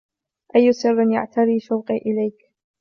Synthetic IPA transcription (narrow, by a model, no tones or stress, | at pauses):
ʔajːʊsɨrˤːɪnja̰ʕt̪aɾiːʃawqiːʔɪlajk